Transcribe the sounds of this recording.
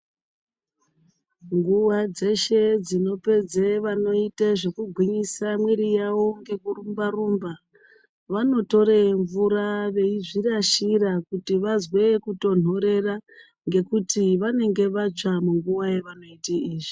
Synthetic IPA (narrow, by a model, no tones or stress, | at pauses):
ŋɡuʋad͡ze̞ʃe̞d͡zino̞pe̞d͡zeʋano̞iteʐe̞kuɡʱwiɲisamwiɾijawo̞ŋɡe̞kurumbarumba | ʋano̞to̞ɾeɱvuɾaʋe̞iʐiraʃirakutiʋazwe̞kuto̞n̤o̞ɾe̞ra | ŋɡe̞kutiʋane̞ŋɡe̞ʋat͡ʂamuŋɡuʋajeʋano̞itiiːʐi